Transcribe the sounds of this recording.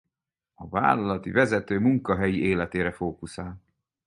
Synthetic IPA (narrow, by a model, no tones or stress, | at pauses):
ɒva̰ːlːɒlɒt̪ivɛzɛt̪øːmuŋkɒɦɛjiʔeːlɛt̪eːɾɛfoːkusaːl